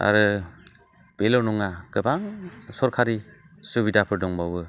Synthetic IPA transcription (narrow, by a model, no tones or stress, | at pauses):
a̰ɾɯ | b̥elɔwnɔŋaɡɯbaŋsɔɾkʰaɾi | subidapʰɯɾdɔŋbawbɯ